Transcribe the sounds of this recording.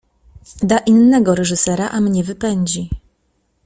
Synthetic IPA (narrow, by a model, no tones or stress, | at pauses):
d̪aʔinːɛɡɔɾɛʐɘsɛɾaʔamɲɛvɘpɛɲd͡ʑi